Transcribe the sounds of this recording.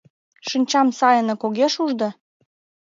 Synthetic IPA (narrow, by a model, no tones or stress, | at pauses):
ʃinʲt͡ɕɑmsɑjə̆nɤ̆koɣeʃuʒd̪ɤ̆